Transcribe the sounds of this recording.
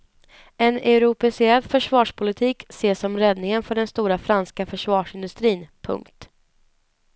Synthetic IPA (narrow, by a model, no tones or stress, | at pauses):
ɛnɛɾʊpɛsɪɛlːfœʂvɑːʂpʰʊlɪt̪ʰiːkseːsɔmɾɛd̪nɪŋənfœɖɛnst̪uːɾafɾanskafœʂvɑːʂɪnd̪ɵst̪ɾiːnpʰɵ̰ŋkt̪